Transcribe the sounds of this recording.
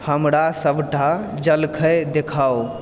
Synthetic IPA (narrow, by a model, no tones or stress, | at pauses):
həmɾasəbʱʈa | d͡ʒəlkʰəd̪ekʰao